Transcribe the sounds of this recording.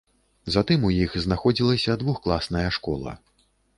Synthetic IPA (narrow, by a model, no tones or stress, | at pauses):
zat̪ɨmujixznaxɔd͡zʲilˠɐsʲɐd̪vuxklˠasnɐjɐʂkɔlˠɐ̰